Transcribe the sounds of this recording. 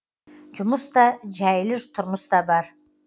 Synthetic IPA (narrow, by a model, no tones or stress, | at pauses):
d͡ʒʊmʊsd̪ɑd͡ʒæjlɪʒt̪ʰʊɾmʊsd̪ɑbɑɾ